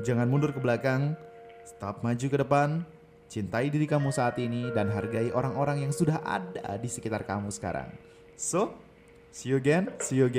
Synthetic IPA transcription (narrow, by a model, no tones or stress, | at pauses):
d͡ʒaŋanmundʊrkəbəlakaŋst̪ap̚mad͡ʒukədəpan | t͡ʃint̪aidiɾikamusaːt̪inidanɦarɡaiʔoɾaŋoɾaŋjaŋsudaɦʔa̰da̰disəkit̪arka̰musə̥ka̰ɾa̰ŋ | so | sioɡɛnsijoɡɛ